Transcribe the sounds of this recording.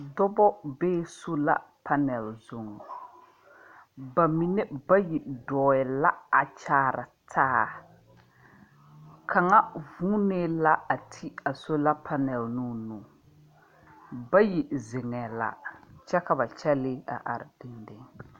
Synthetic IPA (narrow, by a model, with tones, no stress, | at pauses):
dɔ˦bɔ˦beː˦so˦la̰˦pʰa˦nɛ˨lzʊ˨ŋ˨ | ba˨mi˨nɛ˦ba˦ji˨dɔː˨ɛ˨la˦a˨t͡ʃaː˦ɾa̰˨tʰaː˦ | kʰa˨ŋa˦vũ˦ne˦la˦a˨tʰi˦a˨so˦la˦pʰa˦nɛ˨lnu˦nũː˨ | ba˦ji˨zɪ˨ŋɛ˨la̰˨t͡ʃɛ˦ka˨ba˨t͡ʃɛ˦lɪ˦a̰˨ʔa̰˨ɾɪ˨di˦ndɪ˨ŋ